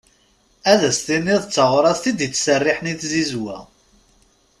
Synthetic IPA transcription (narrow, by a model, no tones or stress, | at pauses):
æðæst̪inːiðˤt͡sːəʁʊɾˤɑθθid̪jət͡sːsərːɪħniθzizwæ̰